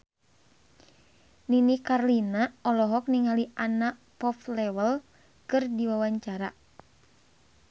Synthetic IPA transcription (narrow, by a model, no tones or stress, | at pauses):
ninikarlinaɔlɔɦɔk̚niŋɦaliʔana | pɔflɛwəl | kɨrdiwawaɲt͡ʃaɾa